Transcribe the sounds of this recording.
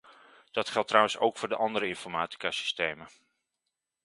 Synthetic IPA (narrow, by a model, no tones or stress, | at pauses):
d̥ɑtχɛlˠtːrʌwənsowkfʊːɹdəʔɑndəɾəɪnfɔɹmaːti̥kaːsi̥stejmə